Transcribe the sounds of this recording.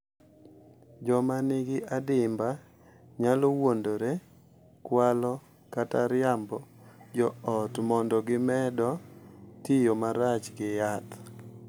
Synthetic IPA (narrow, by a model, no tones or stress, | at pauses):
d͡ʒɔmanɪɡɪʔadɪmba | ɲalowondoɾe | kwalɔ | kataɾɪjambɔ | d͡ʒɔɔtmɔndɔɡɪmɛdɔtɪjomaɾat͡ʃɡɪjat̪